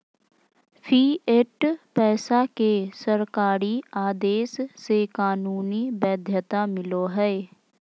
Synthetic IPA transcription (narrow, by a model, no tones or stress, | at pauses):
pʰiːeʈpɛːsakesəɾkaːɾiaːd̪eːsːekaːnuːnibɛːd̪ʱjət̪amɪloɦɛː